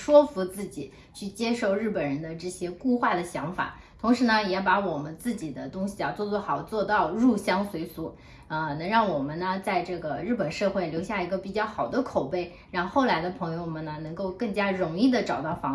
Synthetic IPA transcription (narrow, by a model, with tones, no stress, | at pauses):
ʂwɔ˥fu˧˥t͡sɹ̩˥˩t͡ɕḭ˨˩˦ | t͡ɕʰy˥˩t͡ɕjɛ˥ʂo˥˧ʊɻɻ̩˥˩pə˨˩nɻə˧˥nd̪ə˧ʈ͡ʂɤ˥˩ɕjɛ˥ku˥˧xwa˥˩d̪ə˩ɕjɑ˧˥ŋfa̰˨˩˦ | t̪ʰʊ˧˥ŋʂɻ̩˧˥nə˧jɛ˧˥pa˧˥wɔ˨˩mə˦nt͡sɹ̩˥˩t͡ɕi˨˩d̪ə˦t̪ʊ˥ŋɕi˨˩a˧˥t͡swɔ˥˧t͡swɔ˥˩xɑ˨˩ʊt͡swɔ˥˧t̪ɑ˥˧ʊɻu˥˩ɕjɑ˥ŋswe˧˥ɪsu˧˥ | ə˧nɤ˧˥ŋɻɑ˥˩ŋwɔ˨˩mə˦nnə˧t͡sa˥˧ɪʈ͡ʂɤ˥˩ɡə˩ɻɻ̩˥˩pə˨˩nʂɤ˥˧xwe˥˩ɪljo˧˥ʊɕja˥˩i˧˥ɡə˧pi˨˩t͡ɕjɑ˥˩ʊxɑ˨˩ʊd̪ə˦kʰo˨˩ʊpe˥˩ɪ | ɻɑ˥˧ŋxo˥˩ʊla˧˥ɪd̪ə˧pʰɤ˧˥ŋjo˧ʊmə˨˩nə˩nɤ˧˥ŋko˥˧ʊkɤ˥˩ŋt͡ɕja˥ɻʊ˧˥ŋi˥˩d̪ə˩ʈ͡ʂɑ˨˩ʊt̪ɑ˥˩ʊfɑ˧˥